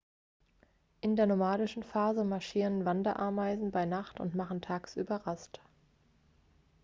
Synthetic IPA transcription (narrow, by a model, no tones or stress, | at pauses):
ʔɪndeːɐnomaːdɪʃn̩faːzəmaɐʃiːʁənvandɐʔa̰ɐmaɪzn̩baɪnaχtʊ̰ntmaχn̩tʰaːksʔy̰ːbɐʁast